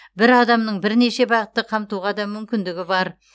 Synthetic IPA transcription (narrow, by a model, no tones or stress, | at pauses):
bɪɾɑd̪ɑmnəɴbɪɾne̞ʃe̞bɑʁət̪ːəqʰɑmt̪uʁɑd̪ɑmʏmkʲɪnd̪ɪɡʲɪbɑɾ